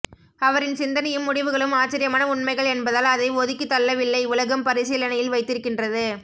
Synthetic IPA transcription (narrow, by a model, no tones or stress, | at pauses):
ɐʋɐɾɪnsɪnd̪ɐnɐjɯmːʊɽɪʋɯɣɐɭɯmaːt͡ʃːɐɾɪjɐmaːnɐʊɳmɐɪɣɐɭɛnbɐðaːlɐðɐɪʋɔðɪkːɯt̪ːɐlːɐʋɪlːɐɪʊlɐɣɐmpɐɾɪsiːlɐnɐjɪlʋɐɪt̪ːɪɾɯkːɪndrɐðɯ